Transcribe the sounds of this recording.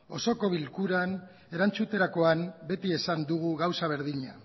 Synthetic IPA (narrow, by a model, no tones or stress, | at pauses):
o̞so̞ko̞β̞ilkuɾan | e̞ɾant͡sut̪e̞ɾako̞ambe̞t̪ie̞sand̪uɣuɣawsaβ̞eɾðiɲa